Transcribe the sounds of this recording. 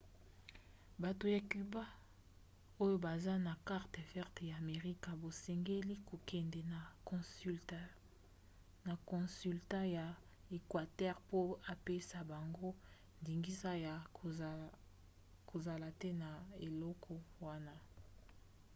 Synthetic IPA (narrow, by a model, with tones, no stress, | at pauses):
ba˨to˨ja˨ky˨ba˦ | o˦jo˦ba˨za˦na˨ka˦ʁtɛ˨vɛ˦ʁtɛ˨ja˨me˨ʁi˦ka˨bo˨sɛ˨ŋɡe˦li˦ko˨kɛ˨ndɛ˨n˨˦ | na˨kɔ̃˨sy˨lta˦ja˨ | e˨kwa˨tɛ˦ʁpo˦a˨pe˦sa˨ba˨ŋɡo˦ | ndi˨ŋɡi˦sa˦ja˨ | kʰo˨za˨la˨tɛ˦na˨e˨lɔ˦kʰɔ˦wa˦na˦